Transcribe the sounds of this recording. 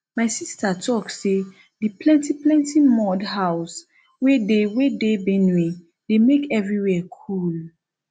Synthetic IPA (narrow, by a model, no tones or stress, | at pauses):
maɪsistʰatʰɔkse | diplɛ̃ntiplɛ̃ntimɔdɦaʊs | wedewedebɛ̃ni | demekɛvɹiwɛkʰul